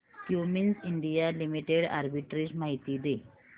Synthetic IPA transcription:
hjuminsiɳɖijalimiʈeɽa̰ɾbiʈɾid͡ʑmaɦit̪iːd̪e

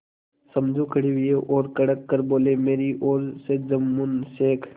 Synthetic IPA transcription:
sɐmd͡ʒʱũkʰəɽiʋijeʔoːɾkɐɽəkːɐɾboːlemeːɾiʔoːɾsed͡ʒɐmːunseːkʰ

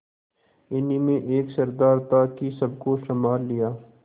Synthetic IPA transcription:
ɪnimẽʔeːksɐɾd̪aːɾt̪aːkisɐb̚koʃɐmaːlːijaː

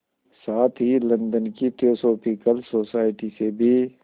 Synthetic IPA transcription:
saːt̪ʰɦilɐ̃nd̪ənkit̪ioːsoːpʰikəlsoːsaːɪʈisebʱi

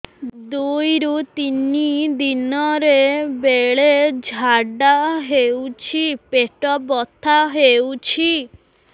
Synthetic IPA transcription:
d̪ujɾut̪inid̪inɔɾebeɭed͡ʒʱaɖaɦewt͡ʃʰipeʈɔbɔt̪ʰaɦewt͡ʃʰi

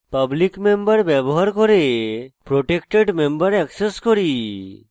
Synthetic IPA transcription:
pəblikmembəɾbɛboɦaɾkoɾepɾoʈekʈeɖmembəɾɛkseskoɾi

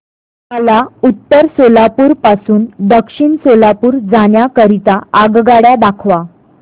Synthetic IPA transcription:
məlaut̪ːəɾsolapuːɾpasuːnd̪əkʂiɳsolapuːɾd͡zaɳjakəɾit̪aaɡɡaɽjad̪akʰʋa

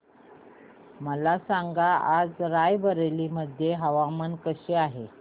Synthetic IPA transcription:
məlasaŋɡaad͡zɾajbəɾeliːməd̪ʱjeɦəʋamənkəɕeaɦe

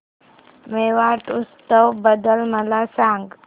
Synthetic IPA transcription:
meʋaʈʊst̪əwbəd̪əlməlasãːŋɡ

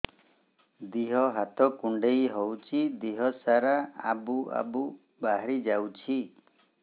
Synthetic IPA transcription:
d̪iɦɔɦat̪ɔkuɳɖejɦɔwt͡ʃʰid̪iɦɔsaɾaa̰bua̰bu | baɦaɾid͡ʒawt͡ʃʰi

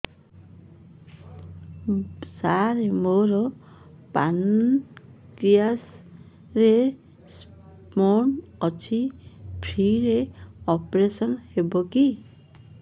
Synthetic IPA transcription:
saɾemoɾɔ | pan | kɾias | ɾe | s | ponɔt͡ʃʰibʱʰɾiɾeɔpɾesɔnhebɔki

